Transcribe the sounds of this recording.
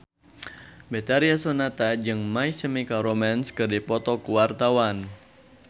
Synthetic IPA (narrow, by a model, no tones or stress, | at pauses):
bet̪aɾiasonat̪ad͡ʒɨŋmaisəmikaɾomanskɨrdipɔt̪ɔkuwart̪awan